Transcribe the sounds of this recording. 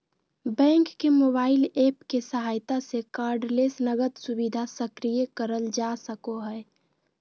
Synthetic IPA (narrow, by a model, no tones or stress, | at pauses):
bɛ̃ŋkːemoːbaːɪlepkesəɦaːjt̪asekaːɾɖlesnəɡət̪subid̪ʱasəkɾijəkəɾəld͡ʒasəkoɦɛe